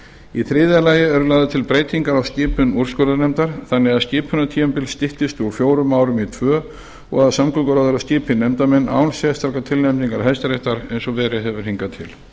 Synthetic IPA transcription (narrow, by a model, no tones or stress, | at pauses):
iθɾɪːðalaːjɪɛɾʏlaːðʏt̪ʰɪlpɾeːjt̪ʰiŋkaɾawscɪːpʰʏnuɾ̥skœɾðanɛmt̪aɾ̥θanːɛɣaðscɪːpʰʏnːat̪ʰiːʏmpɪlst̪ɪht̪ɪst̪ʏɔfjoːwɾʏmːaːwɾʏmit̪ʰvœː | ɔ̰ɣaðsamkʏkaɾaðʏɾaðscɪːpʰɪnɛmt̪amɛnːa̰ːwnsjɛst̪ʰaɾkat̪ʰɪlnɛmniŋkaɾ̥ɦɛjst̪aɾeht̪aɾejnsɔvɛːɾɪɛvʏɾ̥hiŋkat̪ʰɪ̰l